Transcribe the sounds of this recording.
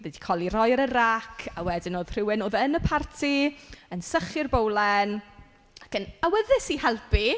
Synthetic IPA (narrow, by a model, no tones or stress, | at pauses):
vɛdi̥kʰɔlˠirɔjɾərakʰawɛdɪnoːð̥r̥ɪwɪnoːðənəpʰartʰiənsəχɪrbowlˠɛn | akənawəðɪsihɛlˠpʰi